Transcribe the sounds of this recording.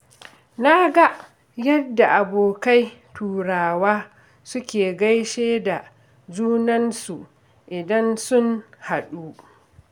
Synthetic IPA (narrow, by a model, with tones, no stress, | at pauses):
na˦ɡa˦ʔ | jɐ˦dːa˨ʔa˨boː˨ka˦jtʰuː˨ɽaː˨waː˦ | sʊ˦kʲeː˨ɡa˦jʃeː˦da˨ | d͡ʒuː˦nɐ˦nsu˨ʔ | ʔɪ˨dɐ˦nsʊ˦nha˨ɗuː˦